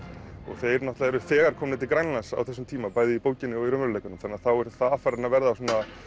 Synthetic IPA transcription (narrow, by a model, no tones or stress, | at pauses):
ɔ̰ɣθejɾnat̪laðɛɾʏθɛːɣaɾ̥kʰɔːmnɪt̪ʰɪlkɾanlansa̰wθɛs̬ʏmt̪ʰiːmapaːjðɪipowcɪnːɪɔɣiɾœmɾlejkʏnʏmθanːaθawɛɾ̥θafaɾaɾnavɛɾðasuːna